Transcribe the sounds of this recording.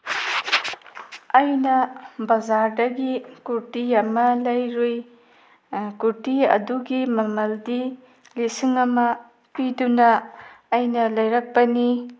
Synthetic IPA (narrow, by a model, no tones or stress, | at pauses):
ɐjnɐbɐzaɾdɐɡikuɾtiɐmɐlɐjɾoj | kuɾtiɐ̰duɡimɐmɐldi | lisiŋɐmɐ | pidunɐːjnɐlɐjɾɐk̚pɐni